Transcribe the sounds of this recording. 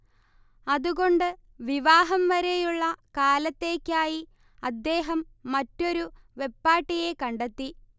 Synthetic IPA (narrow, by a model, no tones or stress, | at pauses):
ɐðuɣo̞ɳɖɨ | ʋiʋaːɦɐmʋɐɾe̞juɭːɐkaːlɐt̪ːe̞ːkʲːaːji | ɐd̪ːe̞ːɦɐmːɐtːo̞ɾu | ʋe̞pːaːʈːije̞kɐɳɖet̪ːi